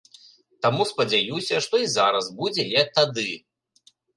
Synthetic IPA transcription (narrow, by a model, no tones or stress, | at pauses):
t̪amuspɐd͡zʲajusʲɐʂt̪ɔizaɾɐzbud͡zʲɛjɛt̪ad̪ɨ